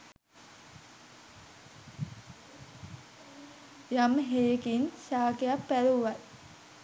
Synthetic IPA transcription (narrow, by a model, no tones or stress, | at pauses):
jamɦeːkinʃaːkejapːæɾuʋat̪